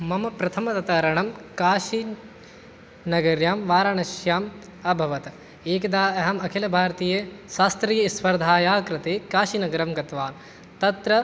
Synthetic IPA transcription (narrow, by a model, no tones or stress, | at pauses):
mɐmɐpɾɐt̪ʰɐmɐt̪ɐt̪ɐɾɐɳɐmkaːʃi | nɐɡɐɾjaːmʋaːɾaɳɐʃjaːm | ɐbʱɐʋɐt̪ɐ | eːkɐd̪aːɐɦɐmɐkʰelɐbʱaːɾɐt̪iːjɐʃaːst̪ɾijɐsʋɐɾd̪ʱaːjaːkɾɐt̪eːkaːʃinɐɡɐɾɐmɡɐt̪ʋaːn | t̪ɐt̪ɾɐ